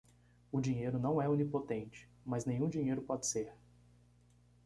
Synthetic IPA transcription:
ʊd͡ʒĩɲejɾʊnɐ̃w̃ɛunipot̪ẽnt͡ʃɪ̥ | mɐznẽjɲ̃ũd͡ʒiɲejɾʊpɔd͡ʒɪ̥seɾ

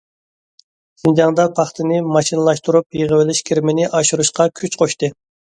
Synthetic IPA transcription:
z̥ɨnd͡ʒɑŋd̪ɑpʰɑχt̪ʰɨnɪmɑʃinɨlˠɑʃt̪uɾupjeʁəwɪlɪʃkʲʰiɾmɪnɪʔɑʃuɾuʃqɑkʲʰyt͡ʃqʰoʃt̪ɨ

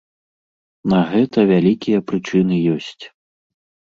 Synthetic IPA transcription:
nɐɣɛt̪ɐvʲalʲikʲijɐpɾɨt͡ʂɨnɨjɔsʲt͡sʲ

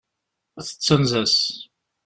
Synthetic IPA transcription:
æθə̥t͡sːənzæs

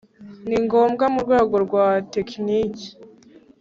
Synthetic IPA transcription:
niŋɡoːmɡamuɾɡwe̞ːɡo̞ɾɡwateknici̥

